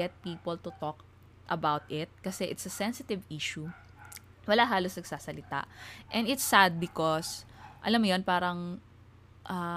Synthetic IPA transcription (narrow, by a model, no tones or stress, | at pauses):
ɛt̪̚piːpɐlt̪ʊt̪ɔk | ʔɐbawt̪ɪt̪̚kɐsɛʔɪt̪sɐsɛnsɪt̪ɪviʃu | wɐlaɦaːlosnɐɡsaːsɐlɪt̪a̰ʔʔɛnd̪ɪt̪sad̪̚bɪkosʔɐ̰lamːjonpaːɾɐŋ | ʔɐ